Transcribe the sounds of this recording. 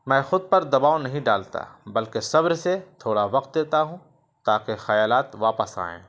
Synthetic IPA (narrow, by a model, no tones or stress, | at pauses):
mɛ̃ːxʊd̪̚pɐɾd̪ɐbaːonɐɦĩɖaːlt̪a̰bɐlkesɐbɾset̪ʰoːɽaʋɐqt̪̚d̪eːt̪aɦũ | t̪aːkexɐjaːlaːt̪ʋaːpəsa̰ːḛ̃ː